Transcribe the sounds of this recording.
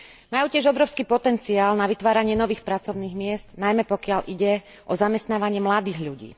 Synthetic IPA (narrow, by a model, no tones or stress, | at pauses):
majuːcɪɛʒɔbɾɔʊskiːpɔt̪ɛnt͡siaːlnaʋit̪ʋaːɾaɲɪɛnɔʋiːxpɾat͡sɔʊniːɣmɪɛsd̪najmɛpɔkɪaʎʔiɟɛ | ʔɔzamɛst̪naːʋaɲɪɛmlad̪iːɣʎuɟḭː